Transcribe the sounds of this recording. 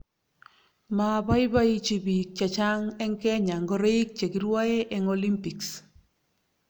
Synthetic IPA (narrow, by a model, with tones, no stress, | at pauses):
ma˨ba˦jba˦i˦t͡ʃi˨bi˨k̚t͡ʃa˨t͡ʃa˦ŋɛ˦ŋkɛ˦ɲa˨ŋɡɔ˦ɾe˦i˦k̚t͡ʃe˨ki˨ɾwa˦e˦ʔɛ˨ŋɔli˦mpi˨ks